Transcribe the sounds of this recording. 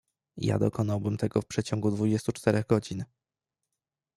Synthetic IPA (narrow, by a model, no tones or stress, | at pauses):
ja̰d̪ɔkʰɔnawbɘmt̪ʰɛɡɔfpʂɛt͡ɕɔŋɡud̪vud͡ʑɛst̪ut͡ʂt̪ɛɾɛɣɡɔd͡ʑin